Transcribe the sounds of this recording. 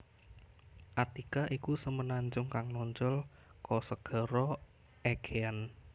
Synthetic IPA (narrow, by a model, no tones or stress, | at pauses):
ʔat̪ikaʔikusəmənaɲd͡ʒʊŋkaŋnɔɲt͡ʃʊlkɔsəɡ̥ɔ̤ɾɔ | ʔeɡ̥ean